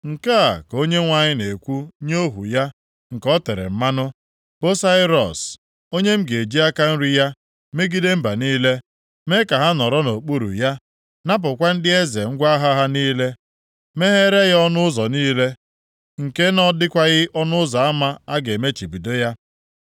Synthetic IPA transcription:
ŋ̩˨ka˦a˨ko˦ɲe˦ŋʷa˨ɲɪ˦ne˨kʷu˦ɲo˦ɦṵ˨ja˦ | ŋ̩˨kɔ˦te˨ɾḛ˨m̩˦ma˦nʊ˦ | b̥o˦sa˦ɪ˦ɾɔ˨s | o˦ɲe˦m̩˦ɡe˨d͡ʒi˦a˦ka˦n̩˦ɾi˦ja˦ | me˦ɡi˦de˦m̩˦ba˨niː˦le˦ | me˦ka˨ɦa˦nɔ˨ɾɔ˦no˨k͡pu˦ɾṵ˨ja˦ | na˦p̬ʊ˨kʷa˦n̩˦dɪ˦e˦ze˨ŋ̩˦ɡʷa˦ɦa˦ɦa˦niː˦le˦ | me˦ɦe˦ɾe˦ɣɔ˦nʊ˦ʊ˦zɔ˨niː˦le˦ | ŋ̩˨ke˦nɔ˦dɪ˦kʷa˦ɣɪ˦ʔɔ˦nʊ˦ʊ˦za˨a˦ma˦a˦ɡe˨me˦t͡ʃi˨bi˨de˦ja˦

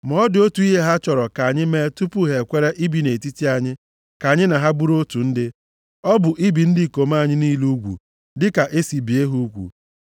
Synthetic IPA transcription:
mɔ˨˦dɪ˨˦o˦tu˨˦i˦ɦe˦ɦa˦t͡ʃɔ˨ɾɔ˨ka˨ɲɪ˦me˦tu˦pu˦ɦe˨kʷe˦ɾe˦ʔi˦bi˨ne˨ti˦ti˦a˨ɲɪ˦ | ka˨ɲɪ˦na˨ɦa˦bu˦ɾo˦tu˨n̩˦dɪ˦ | ɔ˦bʊ˨ʔi˦bi˨n̩˦dɪ˦˨ko˨m˦a˦˨ɲɪ˦niː˦lu˦ɡʷṵ˨ | dɪ˦ka˨ʔe˦si˨bi˨e˦ɦu˦u˦kʷṵ˨

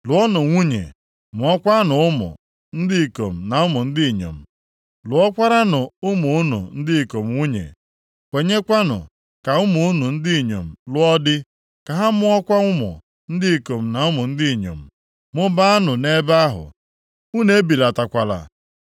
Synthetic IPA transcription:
lʊ˨ɔ˦nʊ˨ŋʷu˦ɲḛ˨ | mʊ˨ɔ˦kʷa˦nʊ˨ʊ˦mʊ̰˨ | n̩˦dɪ˦i˨ko˨m̩˨na˨ʊ˦mʊ˨n̩˦dɪ˦˨ɲo̰˨m̩˨ | lʊ˨ɔ˦kʷa˦ɾa˦nʊ˨ʊ˦mʊ˨ʊ˦nʊ̰˨n̩˦dɪ˦˨ko˨m̩˨ŋʷu˦ɲḛ˨ | kʷe˨˦ɲe˦kʷa˦nʊ̰˨ | ka˨ʊ˦mʊ˨ʊ˦nu˨n̩˦dɪ˦˨ɲo̰˨m̩˨lʊ˦ɔ˦dɪ˦ | ka˨ɦa˦mʊ˦ɔ˦kʷa˦ŋʷʊ˦mʊ̰˨ | n̩˦dɪ˦˨ko˨m̩˨na˨ʊ˦mʊ˨n̩˦dɪ˦˨ɲo̰˨m̩˨ | mʊ˦ba˦a˦nʊ˨ne˦ba˦a˦ɦʊ̰˨ | u˦ne˦e˦bi˨la˨ta˨kʷa˨la̰˨

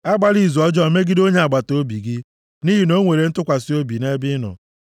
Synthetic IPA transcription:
a˦ɡ͡ba˦ɾi˦˨zu˨ɔ˦d͡ʒɔ˦˨me˦ɡɪ˦do˦ɲe˨a˨ɡ͡ba˨to˦bi˨ɡɪ˦ | ni˦ɦi˨no˦ŋʷe˨ɾe˨n̩˦tʊ˦kʷa˨si˦o˦bi˨ne˦bɪ˦nɔ̰˨

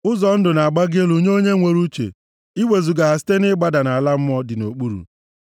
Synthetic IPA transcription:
ʊ˦zɔ˨n̩˦dʊ˨na˨a˨ɡ͡ba˦ɡɪ˦e˦lu˨ɲe˦o˦ɲe˦ŋʷe˨ɾu˦t͡ʃḛ˨ | i˦we˨zu˨ɡa˨ɦa˨s̬ɪ̥˦te˦nɪ˦ɡ͡ba˦da˨na˨a˨la˦m̩˦mɔ˦dɪ˨no˨k͡pu˦ɾṵ˨

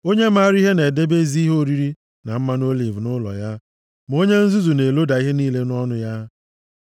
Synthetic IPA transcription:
o˦ɲe˦ma˦˨ɾi˦ɦe˦ne˨de˦be˦zi˦ɦo˦ɾi˦ɾi˦ | na˨m̩˦ma˦no˦li˨vnʊ˦lɔ̰˨ja˦ | m˨o˦ɲe˦n̩˦zu˦zu˨ne˨lo˦da˨i˦ɦe˦niː˦le˦nɔ˦nʊ˦ja˦

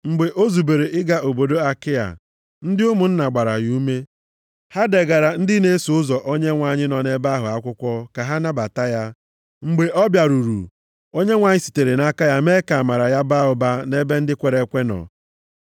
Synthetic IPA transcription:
ŋ͡m̩˨ɡ͡be˨ʔo˦zu˨be˨ɾe˨ʔɪ˦ɡa˨ʔo˨bo˨do˦a˦kɪ˦ja̰˨ | n̩˦dɪ˦ʊ˦mʊ˨n̩˦na˨ɡ͡ba˨ɾa̰˨ju˦me˦ | ha˦de˨ɡa˨ɾa˨n̩˦dɪ˦ne˦su˨ʊ˦zɔ˨ʔo˦ɲe˦ŋʷa˨ɲɪ˦nɔ˨ne˦ba˦ɦʊ˨a˦kʷʊ˦kʷɔ˦ka˨ɦa˦na˦ba˨ta˦ja˦ | ŋ͡m̩˨ɡ͡be˨ʔɔ˦bja˨ɾu˨ɾṵ˨ | o˦ɲe˦ŋʷa˨ɲɪ˦si̥˨te˨ɾe˨na˦ka˦ja˦me˦ka˨ma˨ɾa˨ja˦ba˦ɦʊ˨ba˦ne˦be˦n̩˦dɪ˦kʷe˨ɾe˦kʷe˦nɔ̰˨

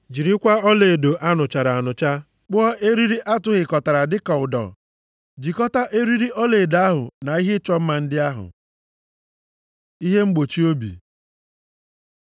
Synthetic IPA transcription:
d͡ʒi˨ɾi˦kʷa˦ɔ˦le˨do˨ʔa˦nʊ˨t͡ʃa˨ɾa˨a˨nʊ˨t͡ʃa˦ | k͡pʊ˦ɔ˦ʔe˦ɾi˦ɾi˦ʔa˦tʊ˦ɣɪ˨kɔ˨ta˨ɾa˨dɪ˦ka˨ʊ˨dɔ̰˨ | d͡ʒi˨kɔ˦ta˦ʔe˦ɾi˦ɾi˦ɔ˦le˨da˨a˦ɦʊ̰˨na˨i˦ɦɪ˦t͡ʃɔ˦m̩˦ma˨n̩˦dɪ˦a˦ɦʊ̰˨ | i˦ɦe˦ŋ͡m̩˦ɡ͡bo˨t͡ʃi˦o˦bḭ˨

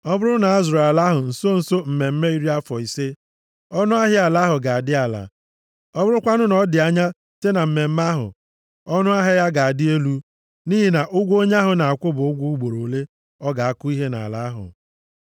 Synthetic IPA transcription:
ɔ˦bʊ˦ɾʊ˦na˨˦zɾa˨la˦ɦʊ˨n̩˨so˦n̩˨so˦m̩˨me˨m̩˦me˦i˦ɾi˦a˦fɔ˨i˨se˦ | ɔ˦nʊ˦a˦ɦɪ˦a˨la˨˦ɦʊ˨ɡa˨a˨dɪ˦a˨la̰˨ | ɔ˦bʊ˦ɾʊ˦kʷa˦nʊ˦nɔ˨˦dɪ˨a˦ɲa˦ | te˦na˨m̩˨me˨m̩˦ma˦ɦʊ̰˨ | ɔ˦nʊ˦a˦ɦɪ˦ja˦ɡa˨a˨dɪ˦e˦lu˦ | ni˦ɦi˨na˨ʔʊ˦ɡʷo˦ɲ˦a˦ɦʊ˨na˨a˨kʷʊ˦bʊ˨ʊ˦ɡʷu˦u˦ɡ͡bo˨ɾo˨le˦ | ɔ˦ɡa˨a˦kʊ˦i˦ɦe˦na̰˨la̰˨a˦ɦʊ̰˨

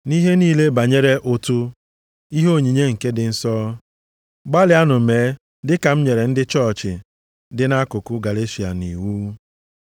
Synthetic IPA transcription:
ni˦ɦe˦niː˦le˦ba˨ɲe˦ɾe˦ʔo˦tu˦ | i˦ɦo˦˨ɲi˨ɲe˦ŋ̩˨ke˦dɪ˨n̩˦sɔː˦ | ɡ͡ba˦lɪ˨a˦nʊ˨meː˨˦ | dɪ˦ka˨m̩˦ɲe˨ɾe˨n̩˦dɪ˦t͡ʃɔ˦˨t͡ʃɪ˨ | dɪ˦na˦kʊ˨kʊ˦ɡa˨le˦ʃi˨a̰˨ni˨wu˦

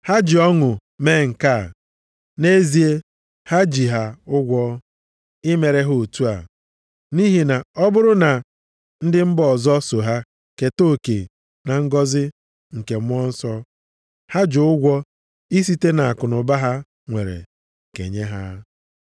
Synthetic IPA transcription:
ha˦d͡ʒi˨ɔ˦ŋʊ˨me˦ŋ̩˨ka˦˨ | ne˦zi˨e˦ | ha˦d͡ʒi˨ɦa˨ʊ˦ɡʷɔ˦ | ɪ˦me˨ɾe˦ɦo˨tu˦a̰˨ | ni˦ɦi˨na˨ɔ˦bʊ˦ɾʊ˦na˨ | n̩˦dɪ˦m̩˦bɔɔ˨zɔ˦so˨ɦa˦ | ke˨to˦˨kḛ˨ | na˨ŋ̩˦ɡɔ˦zɪ˦ | ŋ̩˨ke˨m˦ɔ˦n̩˦sɔ˦ | ha˦d͡ʒʊ˨ʊ˦ɡʷɔ˦ | i˦s̬i˦te˦na˨a˨kʊ˨nʊ˨ba˦ɦa˦ | ŋʷe˨ɾḛ˨ | kḛ˨ɲe˦ɦa˦

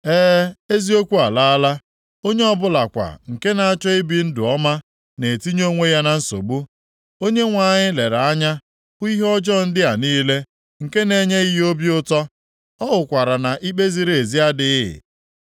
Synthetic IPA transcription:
eː˦e˦zi˦o˦kʷu˦a˨la˦a˦la˦ | o˦ɲe˦ɔ˦bʊ˦la˨kʷa̰˨ŋ̩˨ke˦na˨a˦t͡ʃɔ˦i˦bi˨n̩˦dʊ˨ɔ˦ma˦ | ne˨ti˦ɲo˦ŋʷe˦ja˦na˨n̩˦so̰˨bu˦ | o˦ɲe˦ŋʷa˨ɲɪ˦le˨ɾa˨a˦ɲa˦ | i˦ɦɔ˦d͡ʒɔ˦˨n̩˦dɪ˦a˨niː˦le˦ | ŋ̩˨ke˦ne˨ɲe˦i˦ɦo˦bi˦ʊ˦tɔ˦ | ɔ˦ɦʊ˨kʷa˨ɾa˨na˨ʔi˦k͡pe˦zi˦ɾe˨zi˦a˦dɪ˦ɪ̰˨

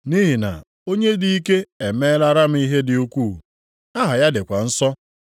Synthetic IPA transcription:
ni˦ɦi˨na̰˨ | o˦ɲe˦di˦i˦ke˦e˨me˦la˦ɾa˦m̩˦i˦ɦe˦dɪ˨u˦kʷuː˦˨ | a˦ɦa˨ja˦dɪ˨kʷa˨n̩˦sɔ˦

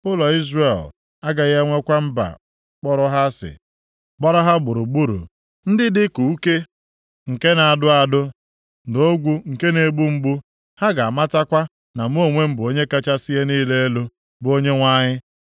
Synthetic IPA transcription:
ʊ˦lɔ˨i˦zre˨l | a˦ɡa˨ɣe˦ŋʷe˦kʷa˦m̩˦ba̰˨˦ | k͡pɔ˦ɾʊ˦ɦa˦sɪ̰˨ | ɡ͡bɔ˦ɾa˦ɦa˦ɡ͡bʊ˨ɾu˨ɡ͡bu˦ɾṵ˨ | n̩˦dɪ˦dɪ˦ku˨u˦ke˦ | ŋ̩˨ke˦na˨a˨dʊ˦a˨dʊ˦ | do˦ɡʷu˦ŋ̩˨ke˦ne˨ɡ͡bu˦m̩˦ɡ͡bu˦ | ha˦ɡa˨a˨ma˦ta˦kʷa˦ | na˨m˦o˦˨ŋʷe˦m̩˦bo˦ɲe˦ka˦t͡ʃa˦si˦je˦niː˦le˦e˦lo˦ | bʊ˨o˦ɲe˦ŋʷa˦ɲɪ˦

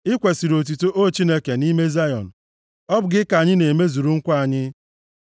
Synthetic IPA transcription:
ɪ˦kʷe˨si˨ɾo˨t̬u˨to˦ʔo˦˨t͡ʃi˦ne˦ke˨ni˦me˦za˦jɔ˨n̩˨ | ɔ˦bʊ˨ɡɪ˦ka˨ɲɪ˦ne˨me˦zu˨ɾu˦ŋ̩˦kʷa˨ɲɪ˦

